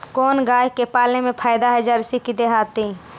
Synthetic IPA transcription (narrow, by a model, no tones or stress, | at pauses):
koːnɡaːjkepaːlemẽpʰaːɪd̪aɦɛd͡ʒəɾsikid̪eɦaːt̪i